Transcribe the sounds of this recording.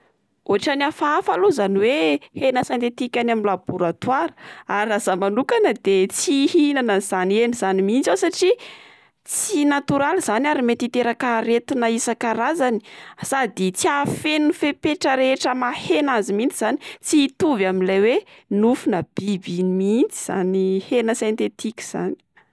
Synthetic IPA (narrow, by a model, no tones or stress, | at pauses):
oaʈ͡ʂanafaafaluzaniwehenəsant̪et̪ikʲanaminlab̥uɾat̪waɾə̥aɾrazamanukanəd̪et͡sihinanəz̥anieniz̥animint͡sawsaʈ͡ʂi | t͡sinat̪uɾaliz̥anaɾimet̪it̪eɾakaɾet̪inəisakaɾazani̥sad̪it͡siafenufepeʈ͡ʂəɾeʈ͡ʂəmahenazimint͡siz̥ani̥t͡siːt̪uvaminlawenufunəb̥ibinimint͡siz̥a̰nihenəsẽnt̪et̪ikʲi̥z̥a̰ni̥